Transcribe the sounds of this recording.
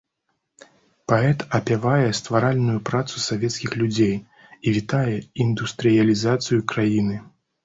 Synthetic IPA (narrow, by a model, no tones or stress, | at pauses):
paɛt̪ɐpʲavajɛst̪vaɾalʲnujupɾat̪susavʲɛt̪skʲixlʲud͡zʲej | ivʲit̪ajɛind̪ust̪ɾɨjɐlʲizat̪sɨjukɾajinɨ